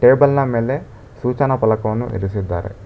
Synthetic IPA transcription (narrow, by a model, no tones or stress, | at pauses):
ʈeːbɐlnɐmeːle̞ | suːt͡ʃɐnɐpɐlɐkɐʋɐnːṵʔḭɾisid̪ːa̰ːɾḛ